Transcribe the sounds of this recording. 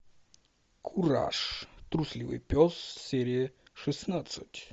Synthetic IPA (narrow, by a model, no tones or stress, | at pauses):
kʰuɾa̰ʂt̪ɾusʲlʲivɨ̰jpʲɔsːɛɾʲijəʂɨsnat̪sɨtʲ